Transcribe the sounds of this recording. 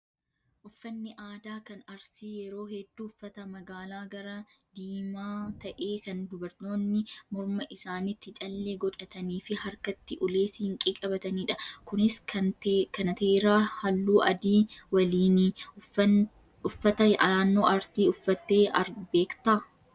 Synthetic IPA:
ʔʊfːɐnːɪʔaːd̪aːkɐnɐɾsiːjɛɾo̞ːhɛd̪ːuːʊfːɐt̪ɐmɐɡaːlaːɡɐɾɐd̪iːmaːt̪ɐʔe̞ːkɐnd̪ʊbɐɾt̪o̞ːnːɪmɔɾmɐʔɪsaːnɪt̪ːɪt͡ʃʼɐlːeːɡɔᶑɐt̪ɐniːfɪhɐɾkɐt̪ːɪʔʊle̞ːshɪŋkʼikʼɐbɐt̪ɐniːᶑɐkʊnɪs | kɐnɐt̪eːɾaːhɐlːuːʔɐd̪iːwɐliːni | ʊfːɐt̪ɐaːnːo̞ːʔɐɾsiːʊfːɐt̪ːe̞ːɐɾbe̞ːkt̪ɐ

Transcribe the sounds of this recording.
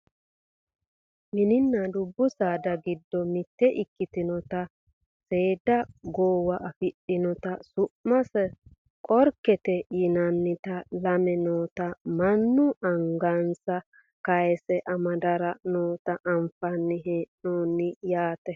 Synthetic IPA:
mɪnɪnːɐd̪ʊbːʊsaːd̪ɐɡɪd̪ːɔmɪt̪ːɛʔɪkːɪt̪ɪnɔt̪ɐ | seːd̪ɐɡoːwɐʔɐfɪɗɪnɔt̪ɐsʊʔmɐsɛ | kʼɔɾkɛt̪ɛjɪnɐnːɪt̪ɐlɐmɛnoːt̪ɐmɐnːʊʔɐŋɡansɐ | kɐjsɛʔɐmɐd̪ɐɾɐnoːt̪ɐʔɐmfɐnːɪɦɛnoːnːɪjaːt̪ɛ

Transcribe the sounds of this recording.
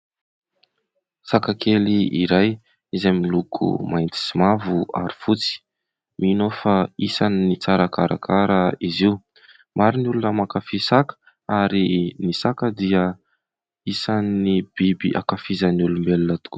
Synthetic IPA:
sakakʰeliḭɾaj | izamilukʰṵmajnt̪i̥simavua̰ɾifut͡si̥ | mʔinofaisaninit͡saɾakaɾa̰kʰaɾəiziu | maɾiniulunəmakafisakə̥ | aɾinisakəd̪iə | isannib̥ibḭʔa̰kafizanulumbelunət̪u̥ku

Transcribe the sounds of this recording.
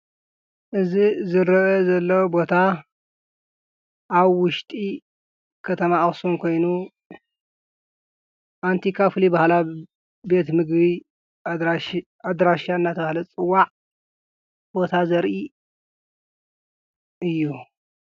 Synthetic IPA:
ʔɨzizɨɾɐʔɐzɐlːɐwbo̞t̪ʰa | ʔːβwʊʃt̪ʼi | kʰɐt̪ʰɐmaxsumkʰo̞jnu | ʔant̪ʰikʰafɨlibahla | be̞t̪mɨɡbi | ad̪ɾaʃaɨnːat̪ʰɐbahlɐt͡sʼɨwːaʕ | b̥o̞t̪ʰazɐɾʔi | ʔɨjːu

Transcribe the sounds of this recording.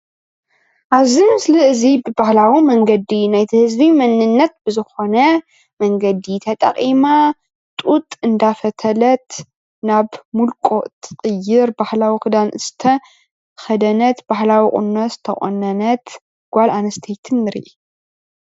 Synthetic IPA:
ʔaβzimsɨlɐɨzibɨbahlawimɐŋɡɐd̪inajt̪ʰihɨzbimɐnːɨnːɐt̪̚bɨzɨxo̞nɐ | mɐŋɡɐd̪it̪ʰɐt̪ʼɐ̰qʼima | t̪ʼut̪ʼɨnd̪afɐt̪ʰɐlɐt̪ | naβmulkʼoʔt̪ʰɨqʼɨjːɪɾbahlawixɨd̪anɨst̪ʰɐ | xɐd̪ɐnɐt̪b̥ahlawikʼʊ̰nːɐst̪ʰɐkʼʔʼo̰nːɐnɐt̪ | ɡ̥ʷalanɐst̪ʰejt̪ʰɨnːɨɾḭʔi

